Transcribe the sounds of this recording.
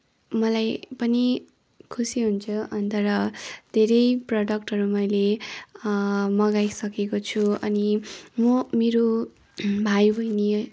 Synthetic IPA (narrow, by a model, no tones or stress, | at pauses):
mʌlajpʌni | kʰusiɦunt͡sʰʌʌnt̪ʌɾʌd̪ʱeɾʌjprʌɖʌk̚ʈɦʌɾumʌjle | mʌɡajsʌkekot͡sʰuʌnimʌmeɾo | bʱajbʱʌjne